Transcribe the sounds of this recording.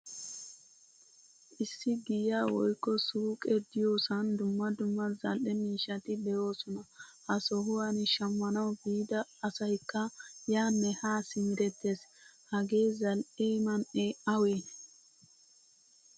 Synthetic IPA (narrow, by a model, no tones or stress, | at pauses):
ʔɪsːɪɡɪjaːwɔjkːɔsuːkʼɛd̪ɪjo̞ːsɐnd̪ʊmːɐd̪ʊmːɐzɐlʔɛmiːʃːɐt̪ɪbɛjo̞ːsɔnɐhɐsɔɦʊwanɪʃɐmːɐnɐwbiːd̪ɐːsɐjkːɐjaːnːɛhaːsɪmɪɾɛt̪ːeshɐɡe̞ːzɐlʔeːmɐneɐweːn